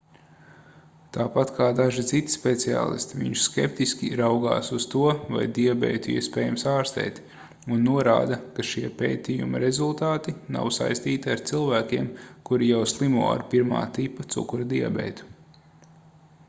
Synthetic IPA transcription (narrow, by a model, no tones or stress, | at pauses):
t̪aːpat̪kʰaːd̪aʒit̪sit̪i̥spet̪sia̰ːlˠḭst̪ivḭɲʃskʲep̚t̪iskʲiɾawɡa̰ːsuzt̪uɔva̰jd̪iabɛ̰jt̪uḭɛspɛːjamsaːɾst̪ɛ̰ːt̪ | unːuɔɾa̰ːd̪ɐkaʃiɛpḛːt̪ijṵmɐɾezulˠt̪aːt̪ina̰wsa̰jst̪iːt̪iaɾt̪silˠvæːkʲiɛmkuɾijawslˠimṵɔa̰ɾpiɾma̰ːt̪ipːɐt̪sṵkuɾɐd̪ia̰bɛ̰ːt̪u̥